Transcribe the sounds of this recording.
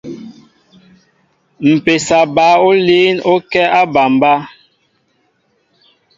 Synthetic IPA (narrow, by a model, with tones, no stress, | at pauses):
m̩˨pe˨sa˨ba˨˦o˦liː˦no˦kɛ˦a˦ba˨mba˦